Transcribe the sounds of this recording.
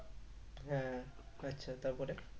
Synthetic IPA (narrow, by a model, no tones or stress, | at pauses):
ɦɛ̃ | ətːɕʰat̪aɾpɔɾe